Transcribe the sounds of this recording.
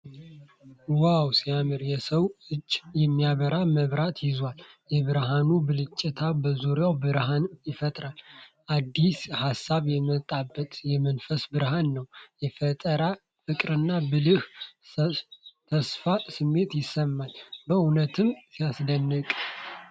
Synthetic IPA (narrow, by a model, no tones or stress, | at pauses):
wawsijamɨɾjɛsəwɨd͡ʒːjɛmːijaβəɾaməβɾat̪jɪzwaljɛβɨɾɦanubɨlɨt͡ʃʼːɛt̪ʰabəzuɾjawbɨɾɦanjɪfət̪ʼɾalʔad̪ːishasːaβjɛmət̪ʼːabːət̪jɛmənfəsbɨɾɦanːəwjɛfət̪ʼəɾa | fɨkʼɾɨnːabɨlɨh | t̪ʰəsfasɨmːe̞t̪jɪsːəmːalbəunət̪ʰɨmsijasd̪ənːɨkʼ